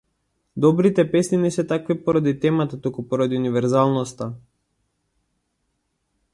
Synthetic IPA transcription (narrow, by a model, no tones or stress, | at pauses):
d̪ɔbɾit̪ɛpɛsninɛsɛt̪akvipɔɾad̪it̪ɛmat̪at̪ukupɔɾad̪iunivɛɾzalˠnɔst̪a